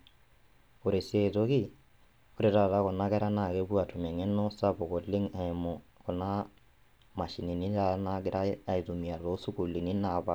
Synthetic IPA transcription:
o˨ɾe˨se˨tɔ˦ki˦ | o˦ɾe˨ɾa˨ta˦kɔ˨na˦kɛ˦ɾa˦na˨kɛ˦bu˦a˨tu˨mɛ˨ŋɛ˦nːɔ˦sa˦bɔ˨kɔ˨li˦ŋa˨ɛ˨mɔ˨kɔ˨na˦ | ma˨ʃi˨ni˨ni˦a˦na˦ɡɪ˦ɾa˦a˨i˨tu˨mi˨a˨tɔ˨˦su˦ku˨li˨ni˦na˨pa˨

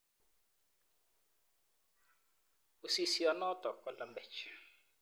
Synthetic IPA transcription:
u˨si˨si˨ɔ˨nɔ˦t̪ɔ˨kɔ˨la˨mbɛ˨t͡ʃi̥

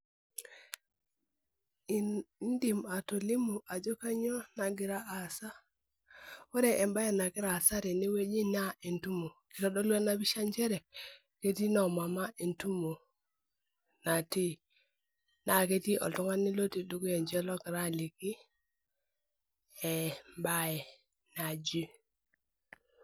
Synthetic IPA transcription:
ndi˨ma˨to˨lɪ˦mu˨ʔa˨d͡ʒo˦ka˦ɲɔ˦na˨ɡɪ˨˦ɾa˦ʔːsa˦ | o˦ɾɛ˨ʔɛ˨mba˦jɛ˨na˨ɡɪ˦ɾa˨sa˦ɾe˨ni˦we˦d͡ʒi˦na˦e˨ntu˦mo˨ki˨ɾɔ˦dɔ˦lwa˦na˦bi˦ʃa˦ɲd͡ʒɛ˦ɾɛ˨ | ke˦ti˦nɔ˨ma˨ma˦ʔe˨ntu˦mo˨ | na˨ti˦˨ | na˦˨ke˦ti˦ʔɔ̰˨tu˦ŋa˦ni˦lo˦ti˨du˦ɡu˦ɛ˨ɲd͡ʒɛ˦lɔ˦kɪ˨ɾa˦˨li˨kɪ˦ | ɛ˨mba˦ɛ˨ | na˨d͡ʒi˦

